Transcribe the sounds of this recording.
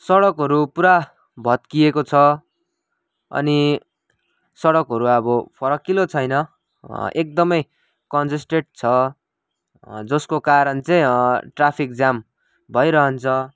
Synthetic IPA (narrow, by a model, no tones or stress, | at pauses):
sʌɽʌkɦʌɾupuɾa | bʱʌt̪̚kijekot͡sʰʌ | ʌ̰ni | sʌɽʌkɦʌɾuʌbʌpʰʌɾʌkilot͡sʰʌjnʌ | ek̚d̪ʌmʌj | kʌnsisʈeʈ̚t͡sʰʌ | d͡zʌskokaɾʌnt͡sʌĩʈrapʰik̚d͡zam | bʱʌjɾʌɦʌnt͡sʰʌ